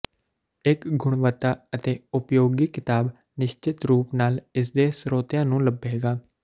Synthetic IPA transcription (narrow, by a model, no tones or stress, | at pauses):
ɪkɡʊɳ̃ʋət̪ːaːət̪eːʊpjoːɡiːkɪt̪aːb | nɪʃt͡ʃɪt̪ɾuːpnaːlɪs̬d̪eːsɾoːt̪jãːnũːləbeːɡaː